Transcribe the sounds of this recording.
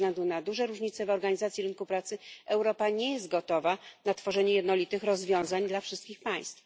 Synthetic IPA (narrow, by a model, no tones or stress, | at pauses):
ɡlɛnd̪unad̪uʐɛɾuʐɲit̪sɛvɔɾɡaɲizat̪sʲjiɾɘnkupɾat̪sɘʔɛwɾɔpaɲɛjɛs̬t̪̚ɡɔt̪ɔvanat̪fɔʐɛɲɛjɛd̪nɔlʲit̪ɘxɾɔzvʲjɔ̃w̃zaɲd̪lafʂɘst̪kʲixpaj̃st̪f